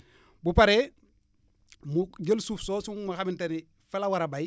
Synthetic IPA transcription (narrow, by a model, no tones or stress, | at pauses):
bupaɾe | muɟəlsuːfsoːsuŋmaxaminteni | felawaɾabaj